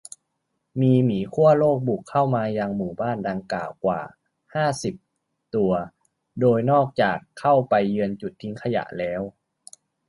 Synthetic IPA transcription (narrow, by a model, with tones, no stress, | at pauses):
miː˧miː˩˦kʰu˥˩əloː˥˩k̚bu˨˩kʰːa˥˩wmaː˧jaː˧ŋmuː˨˩baː˥˩nda˧ŋkaː˨˩wkwa̰ː˨˩ | haː˥˩si˨˩p̚ | t̪u˧ɐ | doː˧jnɔː˥˩k̚t͡ɕaː˨˩kʰːa˥˩wpa˧jːɯ˧ənt͡ɕu˨˩t̪ʰːi˦˥ŋkʰa˧ja̰˨˩ʔlɛː˦˥w